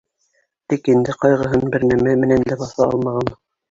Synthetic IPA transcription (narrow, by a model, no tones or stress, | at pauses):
t̪ikind̪ɘqɑjʁɤ̆ɦɤnbɘɾnæmæmɘ̆nænlæbɑθɑɑ̰lˠmɑʁɑn